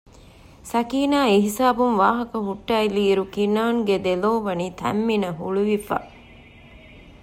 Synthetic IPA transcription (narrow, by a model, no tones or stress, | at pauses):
sɐkiːnaːiɦisaːbumʋaːɦɐkɐɦuʈːailiːɾukinaːŋɡed̪eloːʋɐniːt̪ʰæ̰mːinɐɦuɭuʋifa̰